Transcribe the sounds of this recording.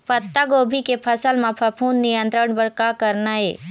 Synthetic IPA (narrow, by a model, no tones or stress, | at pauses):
pɐt̪ːaɡoːbʱikepʰəsəlmãpʰəpʰuːnːijə̃nt̪ɾəɳbəɽkakəɾnaɦḛː